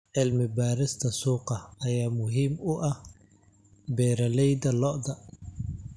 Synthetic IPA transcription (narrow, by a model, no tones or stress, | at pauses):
ʕɪlmɪbaːɾɪst̪ʰɐsuːqɑɐjaːmʊɦiːmʊʔɐh | bɛːɾɐlɛjd̪ɐlɔʔd̪ɐ